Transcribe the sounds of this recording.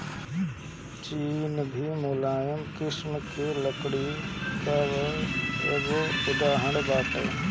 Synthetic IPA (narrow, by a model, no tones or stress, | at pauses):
t͡ɕiːnbʱimoːlaːjəmkɪsmkʰeːlɐkɽit̪əʋ | ḛɠoʊd̪ʱaːɦəɳbaːt̪ə̰